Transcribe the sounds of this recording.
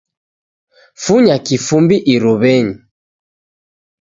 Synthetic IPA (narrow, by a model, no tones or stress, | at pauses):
fuɲakifumbiʔiɾuβɛɲi